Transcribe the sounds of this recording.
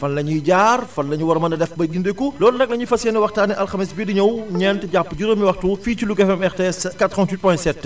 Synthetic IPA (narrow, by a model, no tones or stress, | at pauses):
fɐnlɐɲiɟaːrfɐnlɐɲuwɐɾɐmɐnɐdɛfbɐjɡindekulɔːlunɐk̚lɐɲifɐsɛːnɛwɐxtaːnɛʔɐlxɐmisbidiɲɐwɲɛntɛɟapːɟuɾomiwɐxtufiːt͡ʃilukɛfɛmɛxteɛskatːɾɔ̃ːntwit̚pɔjntsɛtː